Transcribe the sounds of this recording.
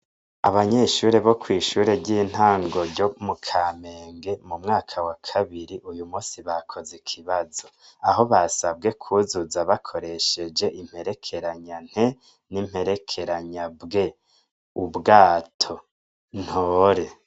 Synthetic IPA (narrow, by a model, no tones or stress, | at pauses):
a̰βaɲeːʃuːɾe̞βo̞kwiːʃuːɾe̞ɟiːn̥haːŋɡo̞ɾɟomukʰame̞ːŋɡe̞mumŋaːkʰawakʰaβiɾiʔujumuːsiβakʰo̞zikʰiβazo̞ | aɦo̞βasab̚ɡe̞kʰuzuzaβakʰo̞ɾe̞ʃe̞d͡ʒe̞ʔim̥he̞ɾe̞kʰeɾaɲan̥he | nim̥he̞ɾe̞kʰe̞ɾaɲabɡe̞ | ubɡaːtʰo̞ | n̥hoːɾe̞